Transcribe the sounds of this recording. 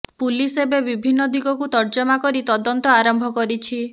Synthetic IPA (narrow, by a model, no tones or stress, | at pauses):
pulisebebibʱinːɔd̪iɡɔkut̪ɔɾd͡ʒɔmakɔɾit̪ɔd̪ɔnt̪ɔaɾɔmbʱɔkɔɾit͡ʃʰi